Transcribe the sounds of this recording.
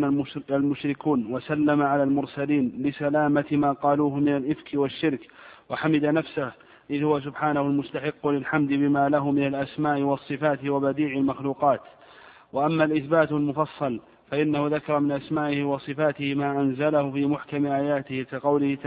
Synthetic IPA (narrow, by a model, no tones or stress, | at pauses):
aalmʊʃɾɪkuːnwasalːamaʕalaːlmʊɾsaliːnlɪsalaːmat̪maːqɑːluːɦʊmɪnalʔɪfkɪwaʃːɪɾkwaħamɪd̪anafsah | ʔɪðhʊwas̬ʊbħaːnahʊlmʊst̪aħɪqːʊlɪlħamd̪ɪbɪmaːlaɦʊmɪnalʔasmaːʔɪwɑsˤːɨfaːt̪ɪwabad̪iːʕɪlmaxluːqɑːt̪ | waʔamːalʔɪθbaːt̪lmʊfɑsˤːɑl | faʔɪnːahʊðakɑɾˤɑmɪnʔasmaːʔɪhɪwɑsˤɨfaːt̪ɪhɪmaːʔanzalahʊfiːmʊħkamɪʔaːjaːt̪ɪhɪkaqɑwlɪhɪt̪a